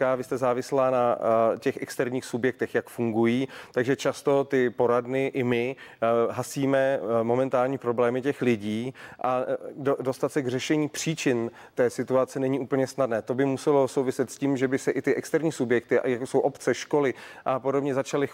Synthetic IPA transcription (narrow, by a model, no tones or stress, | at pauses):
kaːvɪst̪ɛzaːvɪslaːnacɛxʔɛkst̪ɛɾɲiːxsubjɛk̚t̪ɛxjakfuŋɡujiːt̪aɡʒɛt͡ʃast̪o̞t̪ɪpo̞ɾadnɪʔɪmɪɦasiːmɛmo̞mɛnt̪aːlɲiːpɾo̞blɛːmɪcɛxlɪɟiːʔadodost̪at̪sɛɡr̝ɛʃɛɲiːpr̝̥iːt͡ʃɪn | t̪ɛːsɪt̪uat͡sɛnɛɲiʔuːpl̩ɲɛsnadnɛːt̪o̞bɪmusɛlo̞sowvɪsɛt̪sciːmʒɛbɪsɛʔɪt̪ɪʔɛkst̪ɛɾɲiːsubjɛk̚t̪ɪ̰jakoso̞wʔo̞pt͡sɛʃko̞lɪʔapo̞dobɲɛzat͡ʃalɪ